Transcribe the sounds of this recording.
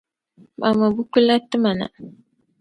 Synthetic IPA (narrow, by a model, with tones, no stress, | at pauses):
ma˨ma˨bu˦ku˦la˦tːɨ˦ma˨na̰˨